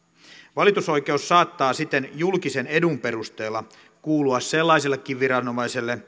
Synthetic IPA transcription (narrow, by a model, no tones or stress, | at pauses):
ʋɑlit̪uso̞jke̞usːɑːt̪ːɑːsit̪ːenjulkise̞ne̞dumpe̞rust̪e̞ːlːɑ | kuːluɑsse̞lːɑiselːekːiʋʋiɾɑno̞mɑjselːe